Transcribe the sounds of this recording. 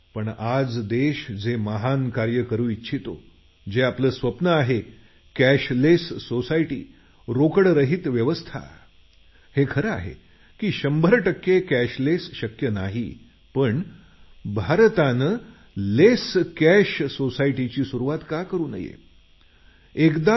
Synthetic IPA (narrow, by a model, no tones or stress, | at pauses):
pəɳad͡zd̪eɕd͡zeməɦankaɾjəkəɾuːitːɕʰit̪o̰ | d͡ʑeapləːsʋəpnəaɦe | kæɕlessosaiʈiː | ɾokəɽɾəɦit̪ʋjəʋəst̪ʰa̰ | hekʰəɾəaɦḛ | kiːɕəmbʱəɾʈəkːekæɕlesɕəkjənaɦḭ | pəɳ | bʱaɾt̪anə | leskæɕsosaiʈit͡ɕiːsuɾuʋat̪kakəɾuːnə̰jḛ | ekd̪a